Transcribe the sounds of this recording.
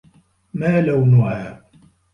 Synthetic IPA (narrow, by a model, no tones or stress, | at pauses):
maːlawnʊʕaː